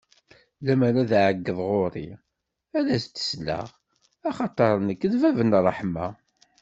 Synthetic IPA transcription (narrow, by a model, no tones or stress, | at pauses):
læmæɾaðʕəɡːəðˤʁoɾˤḭ | æðæst̪ːə̥slə̰ʁ | ɑχɑt̪ˤɑɾˤnəkːðvævənrˤːəħmæ